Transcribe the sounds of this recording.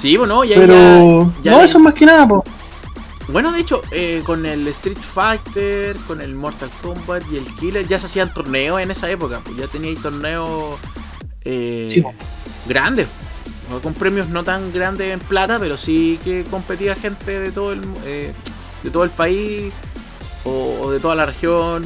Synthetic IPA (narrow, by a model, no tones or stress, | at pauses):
siponoʝapeɾoʝaoesoemaskenaðap̬o | bwe̞noðet͡ʃoʔeko̞nelest̪ɾit̪fajt̪eɾkone̞lmoɾt̪alkombat̪ie̞lkileɾʝaseasiant̪oɾneose̞ne̞saepokapoʝat̪eniait̪o̞ɾneo | esipo | ɡɾand̪epo | osako̞mpɾemjozno̞t̪aŋɡɾand̪esemplat̪ape̞ɾo̞sikeko̞mpe̞t̪iaxe̞nt̪eðet̪oðoelme | d̪et̪o̞ðolpai | o̰ːðet̪o̞ðalarexjon